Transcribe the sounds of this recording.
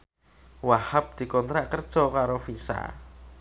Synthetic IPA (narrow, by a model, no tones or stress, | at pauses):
wahap̚d̪̥i̤kɔnt̪ɾaʔkərd̥ʒ̥ɔ̤kaɾofisa̰